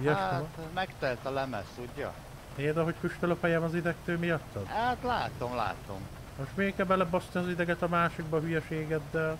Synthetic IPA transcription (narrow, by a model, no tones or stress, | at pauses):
jɛaʃt̪mɛkt̪ɛlt̪ɒlɛmɛ̰st̪uɟːɒ̰ | peːld̪ɒɦockyʃt̪øløfhɒjɛːmɒzid̪ɛkt̪øːmijɒt̪ːɒd̪at̪la̰ːt̪omla̰ːt̪o̰m | moʃt̪meːkɛbɛlɛbosniɒzid̪ɛɡɛt̪ɒmaːʃiɡ̚bɒɦyjɛʃeːɡɛd̪ːɛl